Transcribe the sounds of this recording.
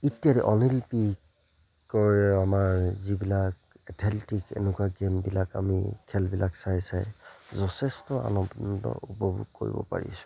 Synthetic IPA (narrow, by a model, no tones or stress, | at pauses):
itijaɾɛʔɔnilpi | kɔɹɛamaɹzibilak | ɛtʰɛltikɛ̰nɛkuaɡembilakamikʰɛlbilʔaksajsajzɔtʰɛstɔa̰nɔbndɔ̰upɔbʱuɡ̚koɹḭbɔ̰pa̰ɹḭsʊ̥